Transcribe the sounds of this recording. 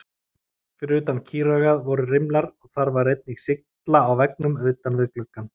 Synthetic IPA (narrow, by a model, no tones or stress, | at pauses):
fɪɾʏːt̪ancʰiːɾœɣaðvɔɾʏrɪmlaɾ̥ɔɣθaɾvaɾejt̪̚niɣsɪk̚tt̪laːwvɛknʏmœɥt̪anvɪðklœkːan